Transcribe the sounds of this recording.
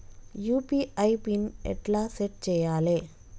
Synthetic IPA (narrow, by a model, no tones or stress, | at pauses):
juːpiɐɪpɪnɛ̰ʈlaːsɛʈ̚t͡ʃɛjːaːleː